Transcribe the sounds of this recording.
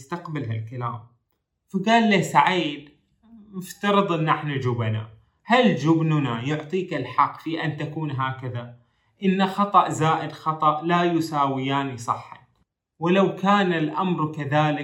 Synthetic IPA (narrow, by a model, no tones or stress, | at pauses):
st̪aqbalhalkala̰ːm | faɡaːlːasaʕiːd̪ | mʊft̪ɑɾɨd̪ˤʔɪnːʔaħnad͡ʒʊbana̰ | hald͡ʒʊbnʊnajʊʕt̪ˤiːkalħɑqːfiːʔant̪akuːnɦaːkaða | ʔɪnːaxɑt̪ˤɑʔzaːʔɪd̪xɑt̪ˤɑʔlajʊsaːwɪjaːnisˤɨħːɑ̰n | wɪlawkaːnalʔamɾkaðaːlɪ